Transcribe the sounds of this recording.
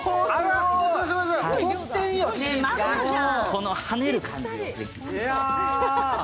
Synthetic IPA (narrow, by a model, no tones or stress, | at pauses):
sosot̪ẽɰ̃jom | kʰo̞no̞hane̞ɾɯ̟kʰãɲ̟d͡ʑid̪ed̪es